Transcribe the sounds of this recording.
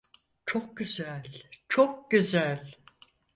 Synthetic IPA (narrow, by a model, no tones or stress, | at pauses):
t͡ʃʰok̚ɟyzælʲt͡ʃʰok̚ɟyzælʲ